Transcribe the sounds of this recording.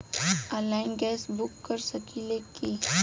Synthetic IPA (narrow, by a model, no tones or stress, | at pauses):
aːlaːɪnɡɛːsbʊkːəɾsɐkileːki